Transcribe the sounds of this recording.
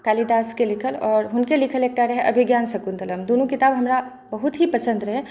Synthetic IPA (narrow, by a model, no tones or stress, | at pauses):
kaːlid̪aːskelɪkʰəlɔːɾɦʊnkelɪkʰəleːk̚ʈaɾəɦɛʔɐbʱɪɡjaːnsɐkunt̪ɐləmd̪oːnũkɪt̪aːbɦɐmɾa | bɐɦʊt̪ɦipɐsə̃nd̪ɾəɦɛ